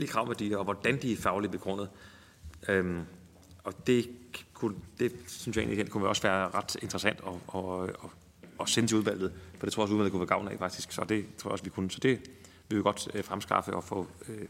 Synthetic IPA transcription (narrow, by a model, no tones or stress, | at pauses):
elikʰʁɑ̈ʊʋæɐdḭɐɒʋɒd̥ænd̥iæfɑ̈ʊlidb̥e̝ɡ̥ʁɔ̽n̰ð̩ˠ | øm | ɒ̽d̥e̝kʰund̥e̝syn̩sjɑ̈e̝̰ːnliken̰kʰunʋeɒ̽sʋæːɐʁɑ̈d̥e̝nd̥ʁɐsæn̰d̥ɒ̽ɒɒː | senət͡sʰe̝uðˠʋæl̰ð̩ˠfɒde̝o̰ɒs̬uðˠʋælð̩ˠkuʋæɐɡ̥ɑ̈ʊnɛ̰fɑ̈ɡ̥d̥isɡ̥sɒ̽d̥e̝t͡sʰoɐɐɒ̽sʋikʰunəsɒ̽d̥e̝ | ʋiʋeɡ̥ɒ̽d̥fʁamsɡ̥ɑ̈fəʔɒ̽fɔ̰̽ːø